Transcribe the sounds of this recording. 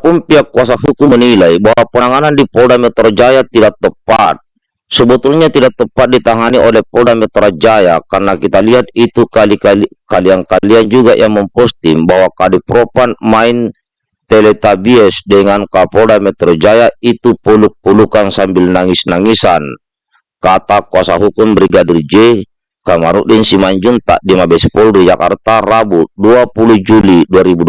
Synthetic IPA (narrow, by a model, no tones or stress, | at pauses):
pumpiakːuasahukumənilaibaɦwapənaŋanandipɔdamɛt̪ɔɾod͡ʒajat̪idak̚t̪əpːa̰t̪̚ | səbɔt̪ulɲat̪idaʔ̚t̪ːəpːat̪̚dit̪aŋaniʔɔlɛhpɔdamɛt̪ɾad͡ʒajakarnakit̪aliɦat̪̚it̪ukalikakaliaŋkaliand͡ʒuɡaʔjʔaŋmɔmpɔst̪imbaɦwakadipɾɔpanmain | t̪ɛlɛt̪abiɛsdɛŋankapɔdamɛt̪ɾɔd͡ʒajait̪upuluk̚pulukansambilnaŋisnaŋisan | kat̪akuasaɦukumbɾiɡadird͡ʒɛ | kamaɾṵʔdinsimand͡ʒunt̪a̰ʔdimabɛspɔlɾid͡ʒaka̰rt̪arabuduapuluhd͡ʒuliduaɾibud